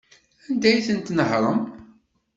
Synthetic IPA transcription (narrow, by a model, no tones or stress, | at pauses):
ænd̪æjθənt̪nəhɾˤəm